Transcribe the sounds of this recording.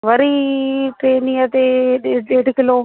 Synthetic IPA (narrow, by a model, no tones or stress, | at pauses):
ʋəɾiːʈɾeːnĩət̪eɗeɗeːʈkɪloː